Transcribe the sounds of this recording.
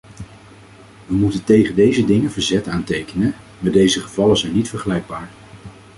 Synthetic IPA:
ʋəmutəntejχəndejzədɪŋəvəɹzɛtaːntejkənən | maːdejzəχəvɑləzɛjnːitfəɹχəlɛjɡ̚baːɹ

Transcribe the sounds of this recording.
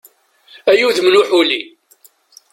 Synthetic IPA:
æjuðmnuħuli

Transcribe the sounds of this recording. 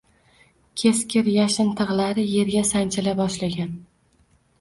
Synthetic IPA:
kʲʰe̞skʲɪɾjaʃɪnt̪ʰɨʁlˠaɾɪje̞ɾɡʲasant͡ʃʰɪlabɒʃlaɡʲan

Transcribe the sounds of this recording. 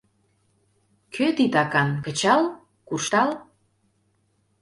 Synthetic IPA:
kʰøt̪it̪ɑkɑnkə̆t͡ɕɑl | kurʃt̪ɑl

